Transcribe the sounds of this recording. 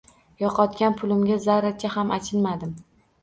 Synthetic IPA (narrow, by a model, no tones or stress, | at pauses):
jɒqʰɒt̪kʲanpʰʊlɪmɡʲazaɾat͡ʃʰahamat͡ʃʰɪlmad̪ɪm